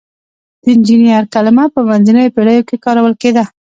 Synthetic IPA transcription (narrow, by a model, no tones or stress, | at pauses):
d̪̥əɪnd͡ʒinijaɾkalɪmapəmanzinəjopeɽəjokekɑɾawəlked̪a